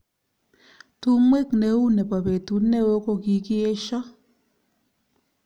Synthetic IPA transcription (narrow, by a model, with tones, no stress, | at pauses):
tu˦mwe˦˨kne˨˦u˦ne˨pa˨pe˨tu˨˦ne˦wo˦ko˦ki˨ki˦e˦ʃɔ˦